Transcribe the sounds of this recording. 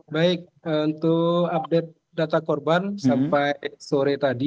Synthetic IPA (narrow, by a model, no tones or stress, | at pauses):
baik̚unt̪uap̚dɛt̪̚ | dat̪akɔrbansampajsoɾɛt̪adi